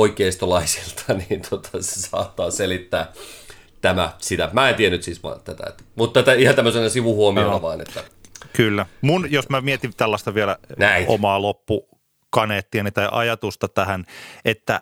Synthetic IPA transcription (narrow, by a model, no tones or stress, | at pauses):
oikˑeːst̪olɑisi̥lt̪ʰɑniːnt̪ʰot̪ʰɑse̥sɑ̰ːt̪ːɑːselit̪ːæː | t̪æmæ̰sit̪æmæːent̪iænyt̪sisʋɑ̰t̪æt̪æ̰ḛt̪ːmut̪ːæt̪æihɑnt̪æmːøsenɑsiʋuhuomionɑʋɑːnḛt̪ːækylːæmunjosmæmiet̪int̪ælːɑst̪ɑʋiɛlænæiʔo̰mɑːlopːu | kɑneːt̪ːiɑnit̪ɑjʔɑ̰jɑt̪ust̪ɑt̪æhænʔet̪ːæ